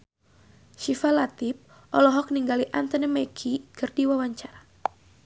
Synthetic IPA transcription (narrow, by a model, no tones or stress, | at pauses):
ʃifalat̪ip̚ | ʔɔlɔɦɔk̚niŋɡaliʔant̪ənɛmɛkʰikɨrdiwawaɲt͡ʃaɾa